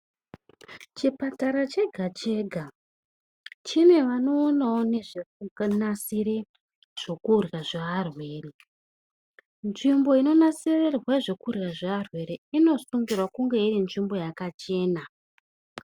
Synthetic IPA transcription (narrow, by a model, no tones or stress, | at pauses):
t͡ʃipataɾat͡ʃe̞ɡʱat͡ʃe̞ɡʱa | t͡ʃinwe̞ʋano̞ːnaone̞ʐeunasiɾe̞ | ʐ̥o̞kurɣaʐaːrwe̞ːre | nʐimbo̞ino̞nasirerwaʐo̞kurɣaʐaarwe̞ɾeino̞suŋɡirwakuŋɡe̞irinʐimbo̞jakat͡ʃe̞ːna